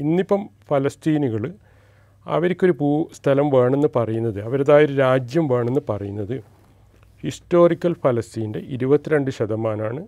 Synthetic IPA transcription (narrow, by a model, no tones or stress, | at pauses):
inːipːɐmfɐlɐst̪iːnuɣɐɭɨ | ɐ̰ʋɐɾikʲːo̞ɾupuːst̪ʰɐlɐmʋe̞ːɳenːɨpɐrɐjunːɐðɨɐʋɐɾɐðaːjɐoðɨɾaːd͡ʑjɐmʋe̞ːɳenːɨpɐrɐjunːɐðɨ | histo̞ːrikʲːɐlfɐlɐst̪iːnde̞ʔiɾubɐt̪ːiɾeɳɖɨɕɐd̪ɐmaːnaːɳɨ